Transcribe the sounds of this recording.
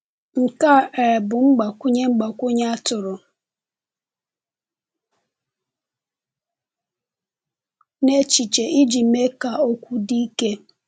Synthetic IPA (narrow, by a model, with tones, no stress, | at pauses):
ŋ̩˨ka˦e˨ɾe˨bʊ˨ŋ͡m̩˦ɡ͡ba˨kʷʊ˦ɲe˦ŋ͡m̩˦ɡ͡ba˨kʷʊ˦ɲa˦tʊ˨ɾʊ˨ | ne˦t͡ʃi˨t͡ʃe˨ʔi˦d͡ʒi˨me˦ka˨o˦kʷu˦di˦i˦ke˦